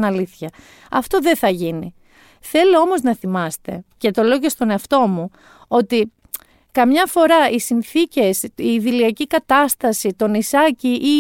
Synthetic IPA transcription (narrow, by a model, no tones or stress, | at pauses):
nɐliθçɐ | ɐft̪o̞ðe̞θɐʝini | θe̞loo̞mo̞znɐθimɐst̪e̞ce̞t̪o̞le̞oce̞st̪o̞neɐft̪o̞mu | o̞t̪i | kɐmɲɐfo̞ɾɐisinθice̞siːðiliɐcikɐt̪ɐst̪ɐsit̪o̞nisɐciʔi